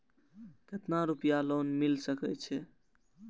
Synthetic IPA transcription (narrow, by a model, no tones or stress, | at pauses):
k̪et̪naɾupijalonmilsəkɛt͡ʃʰɛ